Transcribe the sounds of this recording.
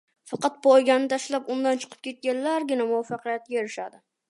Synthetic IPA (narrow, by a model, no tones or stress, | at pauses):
fɑqɑt̪̚bʊojɡʲannɪt̪ʰaʃlapʊnd̪ant͡ʃʰɨ̥qʰɨ̥p̚kʲʰe̞t̪̚kʲanlaɾɡʲɪnamʊwafːɑqɨjat̪̚kʲaeɾɪʃa̰d̪ɪ